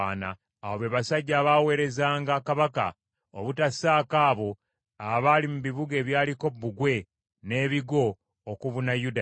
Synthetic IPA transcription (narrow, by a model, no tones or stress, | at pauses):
na̰ː | woβeβasaɟːaːβawe̞ːɾe̞zaːŋɡakaβaka̰ | oβutasaːkaːβo̞ | aβalimuβiβuɡe̞ːβjaːliko̞bːuɡwe̞ | ne̞ːβiɡo̞ː | kuβunajuda